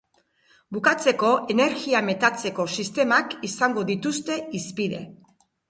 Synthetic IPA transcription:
bukat͡se̞ko̞ʔe̞ne̞ɾɣiame̞t̪at͡se̞ko̞sist̪e̞makisaŋɡo̞ðit̪ust̪e̞ispiðe̞̰

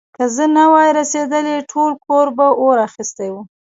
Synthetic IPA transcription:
kəzənawɑjɾased̪əleʈʰolkʰoɾbaʔoɾaxist̪ajwu

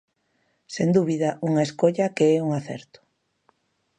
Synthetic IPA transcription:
send̪uβiðɐʔuŋaeskoʎɐkeɛuŋaθɛ̰ɾt̪ʊ̥

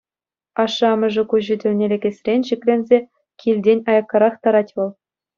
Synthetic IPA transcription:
ɑʂ̆ːɑmɤ̆ʐɘ̆kuʑɘ̆dʲɘ̆lʲnʲelʲeɡʲesʲrʲenʲɕikʲlʲenʲzʲe | kʲʰilʲdʲenʲɑjɑkːɑɾɑχt̪ɑɾɑtʲʋɤ̆lˠ

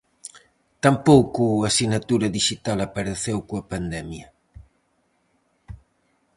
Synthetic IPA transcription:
t̪ampowkuɐsinɐt̪uɾɐðiʃit̪alɐpɐɾeθewkoɐpand̪ɛmjɐ

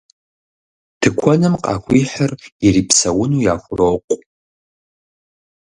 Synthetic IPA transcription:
tʰɨkʷʰɔnɨmqʼɑ̰ːxʷiːħəririːpʰsɐwʊnuːjaːxʷʊroqʷʼ

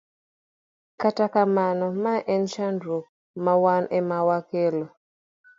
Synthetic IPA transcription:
katakamanɔmaʔɛnʃandɾuk̚ | mawanʔɛmawakelo

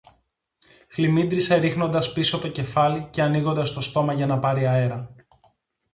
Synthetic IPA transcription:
xlimind̪ɾiseɾixno̞nd̪ɐspisoɐpt̪o̞ce̞fɐlice̞ɐniɣo̞nd̪ɐst̪o̞st̪o̞mɐʝɐnɐpɐɾiɐe̞ɾɐ

